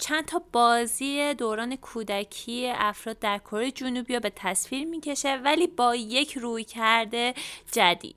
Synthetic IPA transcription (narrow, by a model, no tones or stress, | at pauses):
t͡ʃʰænt̪ʰɒːbɒːziːed̪oːɾɒːne̞kʰuːd̪æcʰiːeʔæfɾɒːd̪̚ːæɾkʰoɾejed͡ʒunubijɒːbe̞t̪ʰæsfiːɾmiːcʰe̞ʃe̞væliːbɒːje̞cʰruːjcʰæɾd̪e̞d͡ʒæd̪ḭːd̪̥